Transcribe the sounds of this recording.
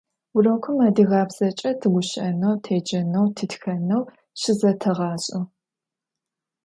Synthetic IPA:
wʊrɐkʷʰʊmaːdiɣɑːbz̥ɐt͡ʃʼɐtʰɨɡʷʊɕʔɐnɐwtʰeːd͡ʒɐnɐwtʰɨtxɐnɐw | ʃɪzɐtʰɐʁɑːɕʼɪ

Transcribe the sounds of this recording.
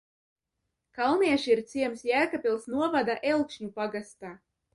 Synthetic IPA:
kalˠniɛʃiiɾt̪siɛmsjæːkapʲilˠsnuɔvad̪aʔelˠkʃɲupaɡast̪aː

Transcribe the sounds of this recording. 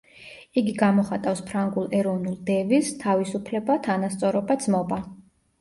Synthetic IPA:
iɡiɡamɔχat̪ʼafspʰɾaŋɡulˠɛɾɔvnulˠd̪ɛvist̪ʰavisupʰlɛbat̪ʰanast̪sʼɔɾɔbad̪zmɔba

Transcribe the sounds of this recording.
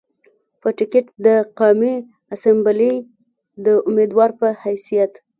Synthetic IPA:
pəʈɪkɪʈd̪əqɑmi | asambali | d̪əʊmed̪wɑɾpəhajsijat̪

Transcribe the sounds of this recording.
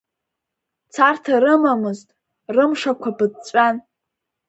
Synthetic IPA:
t͡sʰartʰaɾɨmamɨztʼ | rɨmʂakʷʰapɨd̚t͡ɕʷʼan

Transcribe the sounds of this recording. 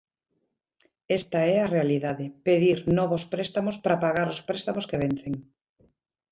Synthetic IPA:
ɛst̪ɐɛɐrealiðaðɪpeðiɾnɔβospɾest̪amʊspɾapaɣaɾʊspɾest̪amoskeβ̞en̟θeŋ

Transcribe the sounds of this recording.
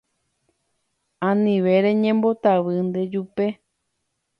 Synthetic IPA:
ãnĩʋe̞ɾẽ̞ɲẽmbo̞t̪aʋɨnd̪e̞d͡ʒupe̞

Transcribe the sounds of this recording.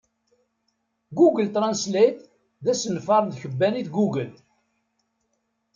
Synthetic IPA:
ɡuɡəlt̪ɾˤɑnslit̪ | ðæsənfɑɾˤnðçəbːæniðɡuɡəl

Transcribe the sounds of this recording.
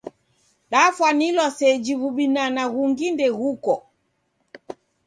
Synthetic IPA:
ɗafwanilwasɛd͡ʒiβuɓinanaɣuŋɡindɛɣukɔ

